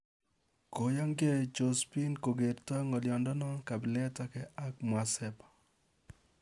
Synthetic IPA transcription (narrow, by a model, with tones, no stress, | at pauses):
ko˨ja˦ŋɡe˦t͡ʃo˨spi˦nko˨ɡe˨ɾtɔ˦ŋɔ˨ljɔ˨ndɔ˦nɔ˦ka˨bɪ˨lɛ˦ta˦kɛ˨ʔa˦k̚m˨a˨sɛ˦pḁ˨